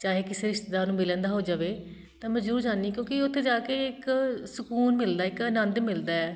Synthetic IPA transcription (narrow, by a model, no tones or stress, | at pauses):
t͡ʃaːɦeːkɪseːɾɪʃt̪ed̪aːnũːmɪlɛ̃ːnd̪aːɦoːd͡ʒaːʋeː | t̪ãːməd͡ʒɾuːɾd͡ʒaːniːkjõːkiʊt̪ʰːeːd͡ʒaːkeːɪksʊkuːnmɪld̪aːɪkənə̃nd̪mɪld̪aːɛː